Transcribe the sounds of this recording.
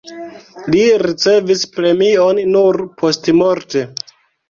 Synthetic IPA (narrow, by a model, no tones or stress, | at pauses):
liɾit͡se̞vispɾe̞mionnuɾpʰo̞stmoɾte̞